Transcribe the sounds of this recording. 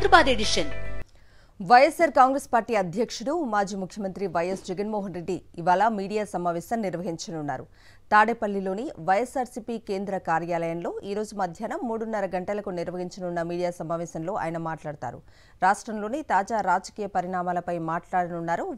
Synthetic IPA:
d̪ɾɐbaːd̪eɽiʂɐn | ʋɐjesɐɾkaːŋɡɾespaːɾʈiːɐd̪ʱjɐkʂuɽumaːd͡ʒiːmukʰjɐmɐnt̪ɾiʋɐjesd͡ʒɛɡɐnmoːɦɐnɾe̞ɖːiːʋaːlamiːɽijaːsɐmaːʋɛːsɐmniɾʋɐɦiɲt͡ʃɐnunːa̰ːɾu | t̪aːɽepɐlːilo̞ːniʋɐjesaːɾsipike̞ːnd̪ɾɐkaːɾjaːlɐjɐnlo̞ːʔiːɾo̞ːd͡ʒumɐd̪ʱjanɐmːuːɽunːɐɾɐɡɐɳʈɐlɐkuniɾʋɐɦiɲt͡ʃɐnunːɐmiːɽijaːsɐmaːʋɛːsɐnlo̞ːʔa̰ːjɐnɐmaːʈlaːɽut̪a̰ːɾṵ | ɾaːʂʈɾɐmlo̞ːnit̪aːd͡ʒaːɾaːd͡ʒɐkiːjɐpɐɾiɳaːmaːlɐpɐjmaːʈlaːɽɐnunːaːɾu

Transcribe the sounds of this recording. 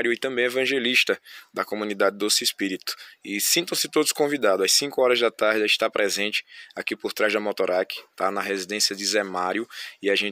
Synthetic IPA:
ɾjʊɪt̪ɐ̃mbẽj̃ɛvɐ̃ʒeliʃt̪ɐd̪ɐkomũnid̪ad͡ʒɪd̪osɪispiɾit̪ʊ̥ɪsĩnt̪ɐ̃w̃sɪt̪od̪ʊskõvid̪ad̪ʊɐssĩkʊɔɾɐzd̪ɐt̪aɾd̪iʃt̪apɾɛzẽnt͡ʃɪ̥akipoɾt̪ɾazd̪ɐmɔt̪oɾakɪ̥t̪anɐɦezid̪ẽsiɐd͡ʒɪzɛmaɾjʊiaʒẽ

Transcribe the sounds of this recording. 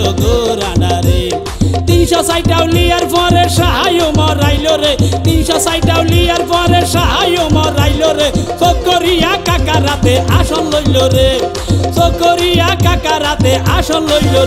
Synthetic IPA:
oɡoɾanaɾe | t̪inʃɔsajʈawlijaɾpʰɔ̃ɾeɾʃaɦajomɔɾajloɾet̪inʃɔsajʈawlijaɾpɔ̃ɾeɾʃaɦajomɔɾajloɾesok̪̚koɾijakakaɾat̪eaʃɔnlojloɾe | sokːoɾijakakaɾat̪eʔaʃɔnlojlo

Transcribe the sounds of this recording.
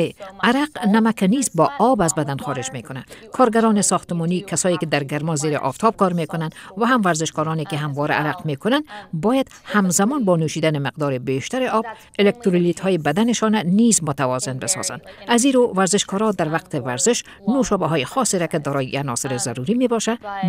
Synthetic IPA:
aɾaqnæmækanizbɒːʔɒbazbad̪ænxɔːɾed͡ʒmekʊnakʰɒɾɡaɾɔːnesɒːxt̪ɪmɔniːkʰasɔːjiked̪æɾɡaɾmɔzeɾḛʔɒ̰ft̪ʰɒb̚kɒɾmekʊnand̪væɦamvæɾzɪʃkɔːɾɔːnekeɦamvɔɾa̰ʔːɾaqmeːkʊnand̪bɔːjad̪̥ | hamzamɔnbɒːnuʃiːd̪anemɪqd̪ɒːɾebeːʃt̪aɾeʔɒb̚ | elek̚t̪ɾolit̪hɔːjebad̪aneʃɔnanizmʊt̪avɒzɪnbesɒ̰z̥a̰nd̪̥aziɾovæɾzɪʃkɔːɾɔd̪aɾvaqt̪evæɾzɪʃ | noʃɒːbaɦɔːjixɔseɾaked̪ɔːɾɔːjianɔsɪɾezaɾuɾimebɒʃa

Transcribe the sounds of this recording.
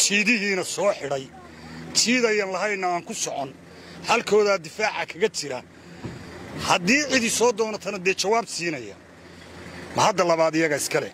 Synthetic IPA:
t͡ʃʰiːðɪɦiːnɐsɔːħɪɽɛj | t͡ʃʰiːðɐjɐnlɐɦɐjnːɐaːŋkʰʊsɔʕɔn | hɐlkʰɔːðaːd̪ɪfaːʕakʰɐɣɐt͡ʃɪɾɐ̰ | hɐd̪iːʕɪðɪsɔːd̪ɔːnɐt̪ʰɐnɐd̪ɛːt͡ʃɐwaːbsiːnɐjɐ̰ | mɐhɐd̪ɐlɐβaːd̪ɪjɐɣɐɪskʰɐlɛ̰

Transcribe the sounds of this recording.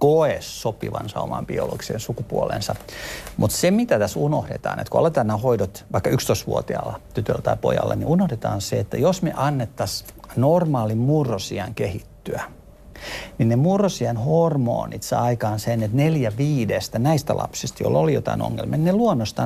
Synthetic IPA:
koesːopḭʋɑ̰nsɑomɑ̰mb̥io̰lo̰ɡ̥i̥sḛnsukupuolḛnsɑmʔut̪semit̪æt̪æsunohdḛt̪ɑ̰ːnḛt̪koo̰let̪ɑːnːæhoidot̪ʋɑikːɑykst̪oist̪ʋṵot̪iɑlːɑt̪yt̪ølːæt̪ɑipo̰jɑ̰lːɑ̰nḭunohdet̪ɑ̰ːnseet̪ːæ̰josmḛʔɑnːet̪ːɑsnormɑːlimmurːosiɑŋkehit̪ːyæ | ninnemurːosiɑnhormo̰ːnit̪sɑikɑːnsenːet̪neljæʋiːdest̪ænæist̪ælʔɑ̰psist̪ɑjo̰lːolijo̰t̪ɑ̰ino̰ŋːḛlmiet̪neluonːost̪ɑ

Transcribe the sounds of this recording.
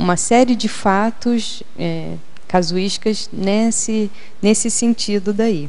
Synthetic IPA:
ũmɐsɛɾiɪd͡ʒɪfat̪ʊʃ | ɛ | kazuiʃkɐz | nɛsɪ | nesɪsẽnt͡ʃid̪ʊd̪ai

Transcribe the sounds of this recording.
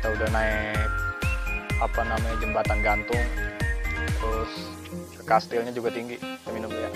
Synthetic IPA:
t̪audahnaɛk̚ | apanamaɲad͡ʒəmbat̪anɡant̪ʊŋ | t̪əɾʊs | kəkast̪ɪlɲad͡ʒuɡat̪iŋɡit̪əminumja

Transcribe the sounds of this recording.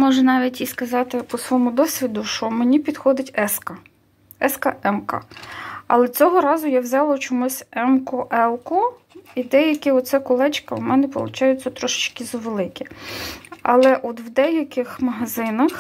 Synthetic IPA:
mɔʒɛnɑʋʲitʲiskɐzɑt̪ɪpɔsʋɔmʊd̪ɔsʲʋʲid̪ʊʃt͡ʃɔmenʲipʲid̪xɔd̪ɪtʲɛskɐ | ɛskɐʔɛmkɐ̰ɐ̰lˠɛt͡sʲɔɦɔɾɑzʊjawzʲɑlˠɔt͡ʃɔmusʲɛmkɔʔɛlˠkɔ | id̪ɛjɐkʲɪɔsɛkɔlˠɛt͡ʃkɐwmɛnɛpɔlˠʊ̰t͡ʃɑjʊt͡sʲːɐt̪ɾɔʃɪ̥t͡ʃkɪzɐʋelˠɪkʲɛ | ɐ̰lˠɛʔɔd̪wd̪ɛjɐkʲɪxmɐɦɐzɪnɐx

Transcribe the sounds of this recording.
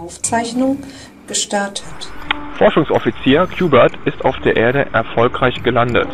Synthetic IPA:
aʊft͡saɪçnʊŋ | ɡ̥əʃtaɐtʰətfɔɐʃʊŋsɔfit͡siːɐkʰj̥uːbɐɐtɪstaʊfd̥eːɐʔeːɐɾəʔɛɐfɔlkʁ̥aɪçɡ̥əlandə̰t

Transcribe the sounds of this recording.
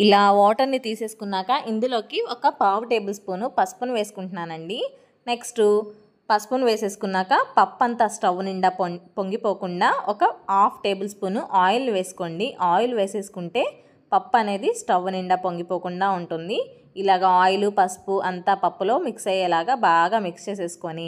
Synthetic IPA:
ilaːʋɔːʈɐɾnit̪iːse̞ːsu̥kunːaːkɐʔind̪ulo̞ːkiɔkɐpaːʋʈe̞ːbɐlspuːnupɐspunʋe̞ːsu̥kuɳʈunaːnɐɳɖi | ne̞ksʈu | pɐspunʋe̞ːse̞ːsu̥kunːaːkɐpɐpːɐnt̪aːsʈɐʋniɳɖaːpopoŋɡipo̞ːkuɳɖaːɔkɐaːpʰʈe̞ːbɐlspuːnuʔaːjulnuʋe̞ːsu̥ko̞ːɳɖiʔaːjuluʋe̞ːseːsu̥kuɳʈe̞ː | pɐpːɐne̞ːd̪isʈɐʋːniɳɖɐpoŋɡipoːkuɳɖaːuɳʈund̪i | ilaːɡɐaːjlupɐspuʔɐnt̪aːpɐpːulo̞ːmiksɐjɐlaːɡaːbaːɡaːmikst͡ʃe̞ːs̬e̞ːsu̥koːni

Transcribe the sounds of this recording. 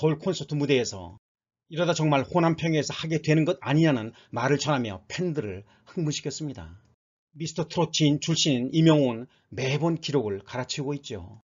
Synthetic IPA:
ʌuɭkʰonsʰʌtʰɯmude̞ːsʰʌ̰ | iɾʌdat͡ɕʌŋmaɭɸonampʰjʌŋesʰʌhaɡe̞dwe̞nɯnɡʌd̚aɲiɾanɯn | maɾɯɭt͡ɕʌnɦamjʌ̰pʰendɯɾɯɭ | hɯŋmɯɕʰi̥kʰʌs͈ɯmɲida̰ | misʰtʰʌtʰɯɾot͡ɕʰint͡ɕuɭɕ͈innimjʌŋn | me̞bonkiɾoɡɯɭkaɾat͡ɕʰiɡoit̚t͡ɕ͈io̰

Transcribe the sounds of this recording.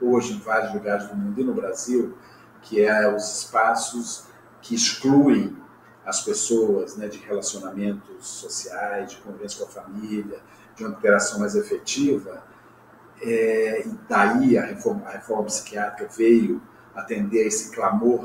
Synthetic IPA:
oʒɪẽj̃vaɾjʊzluɡaɾɪzd̪ʊmũd̪ʊɪnʊbɾaziw | kʰɪɛʊzɪspasʊs | kʰɪːskluẽj̃ | ɐspesoɐznɛd͡ʒɪhelasionamẽnt̪ʊsːosiajzd͡ʒɪkõvivẽsɐkõɐfamiljɐ | d͡ʒũmɐ̃t̪eɾasɐ̃w̃majzefet͡ʃivɐ | ɛɪd̪aiɐhefɔɾmɐɐhefɔɾmɐpi̥si̥kiat̪ɾikɐvejʊ | at̪ẽnd̪eɾesɪ̥klamoɾ

